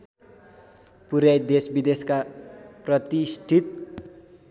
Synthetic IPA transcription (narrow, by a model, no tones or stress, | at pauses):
puɾjajd̪esbid̪eskaprʌt̪isʈʰit̪̚